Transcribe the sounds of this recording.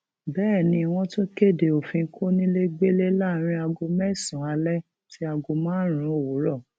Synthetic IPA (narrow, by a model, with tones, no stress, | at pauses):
bɛː˦˨nĩ˧˦i˧w̃ɔ̃˦tũ˦ke˦˨de˨o˨fĩ˧˦kʰo˦nĩ˦le˦ɡ͡be˦le˦la˦˨˦ɾ̃ĩ˧˦a˧ɡo˧mɛ˦˨sũ˨a˨˧lɛ˦ | ti˦a˧ɡo˧mãː˦ɾ̃ũ˨˦o˦˨wo˨˦ɾɔ˦˨